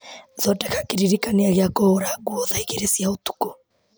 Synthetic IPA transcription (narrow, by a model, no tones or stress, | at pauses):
ðɔtɛkakiɾiɾikaniaɣiakɔɔɾaɡuɔðaiɣɛɾɛsiautu̥kɔ